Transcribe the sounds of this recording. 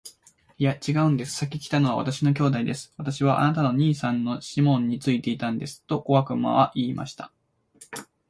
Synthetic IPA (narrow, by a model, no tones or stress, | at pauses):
ijat͡ɕiɡaɯ̟̃nd̪e̞sɨ̥sakʲikʲi̥t̪ano̞β̞a̰βa̰t̪aɕino̞k̬ʲo̞ːd̪aid̪e̞sɨ̥βat̪aɕiβ̞aʔa̰nat̪ano̞ɲ̟iːsãnːo̞ɕimõ̞ɲ̟ːit͡sɨit̪e̞it̪ãnd̪e̞sɨ̥t̪o̞ko̞βakɯ̟ma̰βaʔiːma̰ɕi̥t̪ʰḁ